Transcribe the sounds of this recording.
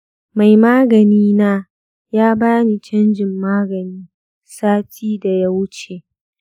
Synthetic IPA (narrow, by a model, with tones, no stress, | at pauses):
ma˨jmaː˦ɡɐ˨niː˦naː˦ | jaː˦baː˦ni˨t͡ʃɐ˦nd͡ʒɪ˨mːaː˦ɡɐ˨niː˦ | saː˦tʰiː˦da˨ja˦wʊ˦t͡ʃe˨